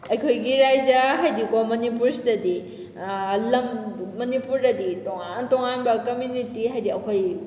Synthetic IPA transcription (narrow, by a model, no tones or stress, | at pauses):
ɐjkʰojɡiɾajd͡ʒɐɦajdikomonipuɾsidɐdi | lɐmːɐnipuɾdɐditoŋantoŋanbɐkɐmjunitiɦajdiɐkʰoj